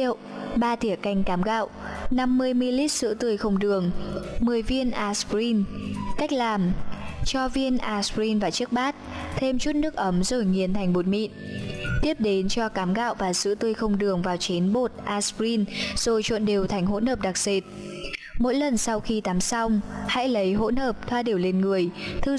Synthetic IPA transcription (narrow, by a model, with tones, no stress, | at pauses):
ə˨wɓaː˧t̪ʰi˧˩əka˧˩jŋ̟kaː˨˦mɣa̰ː˧˨wna˧mːɨ˧əjmi˧li˦˥t̚sɨ̰˧˥t̪ɨ˧˩əjxə˧wŋ͡mɗɨ˨˩əŋmɨ˨˩əjvi˧ənʔaː˧spɾi˧nka˦˥jk̟̚laː˨˩mt͡ɕɔ˧vi˧ənʔaː˧spɹi˧nvaː˨˩t͡ɕɨ˦˥ək̚ɓaː˦˥t̚t̪ʰe˧mt͡ɕu˦˥t̚nɨ˦˥ək̚ʔə˨˦mzo˨˧˩jŋi˨˩ənt̪ʰa˨˩jŋ̟mo˨˩t̚mḭ˧˨nt̪i˦˥əp̚ɗe˨˦nt͡ɕɔ˧kaː˨˦mɣa̰ː˧˨wvaː˨˩sɨ̰˧˥t̪ɨ˧˩əjxə˧wŋ͡mɗɨ˨˩əŋvaː˨˩wt͡ɕe˨˦nɓo˨˩t̚ʔaː˧spɾi˧nz̥o˨˩jt͡ɕwə̰˧˨nɗe˨˩wt̪ʰa˨˩jŋ̟ɦo̰˧˥nhəː˨˩p̚ɗa˨˩k̚z̥e˨˩t̚mo̰˧˥jlə˨˩nsa˧wxi˧t̪aː˨˦msa˧wŋ͡mha̰˧˥jlə˨˦jɦo̰˧˥nhəː˨˩p̚t̪ʰwaː˧ɗi˧˩əwle˧nŋɨ˨˩əjt̪ʰɨ˧˩